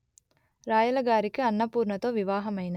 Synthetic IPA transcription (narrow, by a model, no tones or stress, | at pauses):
ɾaːjɐlɐɡaːɾikɯɐnːɐpuːɾɳɐt̪oːʋiʋaːɦɐmɐjnɐ